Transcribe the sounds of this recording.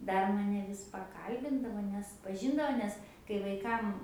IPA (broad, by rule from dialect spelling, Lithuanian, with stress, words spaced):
ˈdɐr ˈmɑːnʲɛ ˈʋʲɪs pɐˈkɐlʲbʲɪndɐʋoː nʲɛs pɐˈʒʲɪndɐʋoː ˈnʲɛs kɐɪ ʋɐɪˈkɐm